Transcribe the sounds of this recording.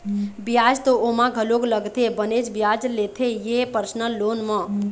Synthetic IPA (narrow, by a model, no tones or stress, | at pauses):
bijad͡ʒt̪oomãɡʱəloɡləɡt̪ʰebəned͡ʒbjaːd͡ʒlet̪ʰejepəɾsnəlːoːnmə̃